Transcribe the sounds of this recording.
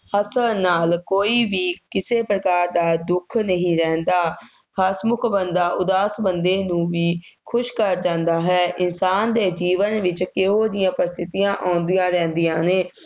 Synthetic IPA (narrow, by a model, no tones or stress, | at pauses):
həsəlnaːlkoːiːʋiːkɪseːpɾəkaːɾd̪aːd̪ʊkʰnəɦĩːɾɛ̃ːnd̪aː | kʰaːsmʊkʰbənd̪aːʔʊd̪aːsbənd̪eːnũːʋiːkʰʊʃkəɾd͡ʒãːnd̪aːɦɛːʔɪnsaːnd̪eːd͡ʒiːʋənʋɪt͡ʃkeoːd̪ɪjãːpəɾɪst̪ʰɪt̪ijãːʔãːnd̪ɪjãːɾɛ̃ːnd̪ijãːneː